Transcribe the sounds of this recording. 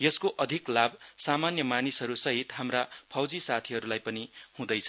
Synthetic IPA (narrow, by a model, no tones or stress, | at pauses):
jʌskoʔʌd̪ʱiklabʱsamanjʌmanisʌɾusʌɦit̪ɦamrapʰʌwd͡zisat̪ʰiɦʌɾulajpʌnihũd̪ʌjt͡sʰʌ